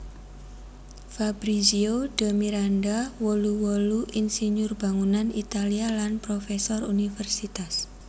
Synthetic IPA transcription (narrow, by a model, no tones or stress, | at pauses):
fabɾiziod̥a̤miɾandawɔluwɔluʔinsiɲʊrba̤ŋunanit̪alialanpɾofesɔrunifɛrsit̪as